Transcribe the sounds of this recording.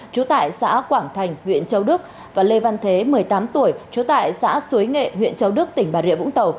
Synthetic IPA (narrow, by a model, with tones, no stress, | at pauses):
t͡ɕu˨˦t̪a̰ː˧˨jsa̰ː˧˥kwaː˧˩ŋt̪ʰa˨˩jŋ̟hwḭ˧˨ənt͡ɕə˧wɗɨ˦˥ək̚ | vaː˨˩le˧va˧nt̪ʰe˨˦mɨ˨˩əjt̪aː˨˦mt̪u˧˩əjt͡ɕu˨˦t̪a̰ː˧˨jsa̰ː˧˥su˨˦jŋḛ˧˨ɦwḭ˧˨ənt͡ɕə˨˧wɗɨ˦˥ək̚t̪ï˧˩ŋ̟ɓaː˨˩ɾḭ˧˨əvʊ̰˧˥ŋ͡mt̪ə˨˩w